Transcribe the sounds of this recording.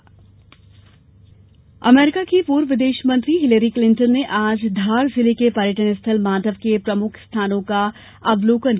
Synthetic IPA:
ɐ̰meːɾɪkakipuːɾʋɪd̪eːʃmə̃nt̪ɾiɦɪləɾiklɪ̃ɳʈənːeʔaːd͡ʒd̪ʱaːɾzɪlekepɐɾjəʈənst̪ʰəlmaːd̪əʋkepɾɐmʊkʰst̪ʰaːnõka | ɐbloːkən

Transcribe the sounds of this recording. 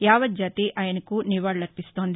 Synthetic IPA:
jaːʋɐd̪̚d͡ʒaːt̪iʔʔaːjɐnɐkuniʋaːɽnɐɾpist̪oːnd̪i

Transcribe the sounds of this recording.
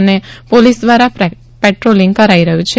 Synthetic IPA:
nepolisd̪ʋaɾa | peʈɾoliŋɡ̚kəɾaiɾəɦũt͡ʃʰe

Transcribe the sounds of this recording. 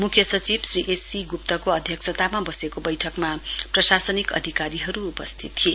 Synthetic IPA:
mukʰjʌsʌt͡sibsriʔesiɡup̚t̪ʌkoʌd̪ʱjʌksʌt̪amabʌsekobʌjʈʰʌkmaprʌsasʌnikʌ̰d̪ʱikaɾiɦʌɾuːpʌst̪ʰit̪ːʰie

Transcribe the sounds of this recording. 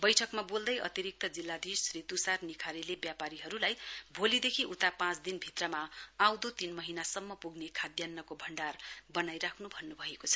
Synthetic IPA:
bʌjʈʰʌkmabold̪ʌjʔʌ̰t̪iɾik̚t̪ʌd͡zilːad̪isrit̪usarnikʰaɾelebjapaɾiɦʌɾulajbʱolid̪ekʰiʔut̪apãt͡sd̪inbʱit̪rʌmaawd̪ot̪inmʌɦinasʌmːʌpuɡnekʰad̪janːʌkobʱʌɳɖarbʌnajɾakʰnubʱʌnːubʱʌekot͡sʰʌ̥

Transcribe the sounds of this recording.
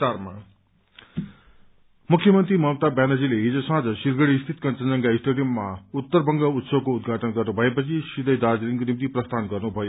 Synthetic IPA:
arma̰ | mukʰjʌmʌnt̪ɾimʌwt̪abanʌd͡zileɦid͡zosãd͡zʌsirɡʌɽiːst̪ʰit̪kʌnt͡sʌnd͡zʌnkaisʈoɽijʌmːaut̪ːʌrbʌŋɡʌut̪soɡ̚koud̪ɡʱaʈʌnɡʌrnubʱʌepʌt͡sʰisid̪ʌjd̪ad͡ziɾiŋkonimt̪iprʌst̪ʰanɡʌrnubʱʌjo

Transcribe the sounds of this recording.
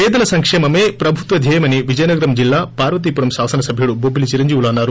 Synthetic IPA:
pɛːd̪ɐlɐsɐŋkʂɛːmɐmeːpɾɐbʱut̪ʋɐd̪ʱɛːjɐmɐniʋid͡ʒɐjnɐɡɐɾɐmd͡ʒilːaːpaːɾʋɐt̪̬ipuɾɐmsaːsɐnɐsɐbʱjuɽubobʱːilit͡ʃiɾɐɲd͡ʒiːʋulaːnːaːɾu

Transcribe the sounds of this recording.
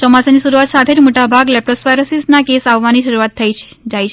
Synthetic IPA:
t͡ʃɔmasenisuɾuat̪sat̪ʰed͡ʒmoʈabʱaɡlɛp̚ʈosʋajɾəsisnakesaʋːaniʃəɾuat̪ʰːəjʰ | d͡ʒajt͡ʃʰ

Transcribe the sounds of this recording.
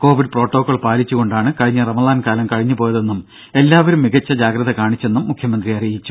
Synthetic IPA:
ko̞ːʋiɖpro̞ːʈːo̞ːkːoːɭpaːlit͡ɕːuɣo̞ɳɖaːɳɨkɐɻiɲːɐrɐmɐlaːnkaːlɐmkɐɻiɲːupo̞ːjɐðe̞nːum | e̞lːaːʋɐɾumːiɣɐt͡ɕːɐd͡ʑaːɡɾɐðɐkaːɳit͡ɕːe̞nːumːukʰjɐmɐnd̪rijɐrijit͡ɕːu̥

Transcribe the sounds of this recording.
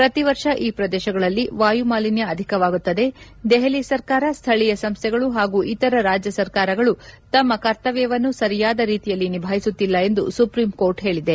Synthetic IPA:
pɾɐt̪iʋɐɾʂɐʔiːpɾɐd̪ɛːʃɐɡɐɭɐlːiʋaːjumaːlinjɐɐd̪ʱikɐʋaːɡut̪ːɐd̪e̞ | d̪ɛɦelisɐɾkaːɾɐst̪ʰɐɭijɐsɐmst̪ʰɛɡɐɭuɦaːɡuːʔit̪ɐɾɐɾaːd͡ʒjɐsɐɾkaːɾɐɡɐɭut̪ɐmːɐkɐɾt̪ɐʋɛjːɐʋɐnːusɐɾijaːd̪ɐɾiːt̪ijɐlːinibʱaːɦisut̪ːilːɐe̞nd̪ṵsupɾiːmko̞ːɾʈɦe̞ːɭid̪e

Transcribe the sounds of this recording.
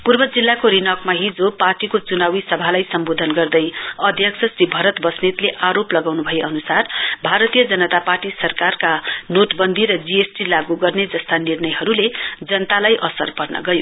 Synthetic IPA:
purbʌd͡zilːakoɾinʌkmaɦid͡zoparʈikot͡sunawisʌbʱalajsʌmbod̪ʱʌnɡʌrd̪ʌjʌd̪ʱjʌksʰʌsribʱʌɾʌt̪bʌsnet̪leʔaɾoplʌɡawnubʱʌeʔʌnusarbʱaɾʌt̪ijʌd͡zʌnʌt̪aparʈisʌrkarkanoʈbʌnd̪ʱiɾʌd͡ziesʈilaɡuɡʌrned͡zʌst̪anirnʌjɦʌɾuled͡zʌnʌt̪alajʔʌsʌ̰rpʌrnʌ̰ɡʌjo

